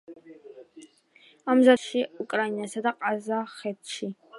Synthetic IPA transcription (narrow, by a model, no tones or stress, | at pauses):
amzɐʃiukʼrainɐsɐdɐqʼazaχɛtt͡ʃʰi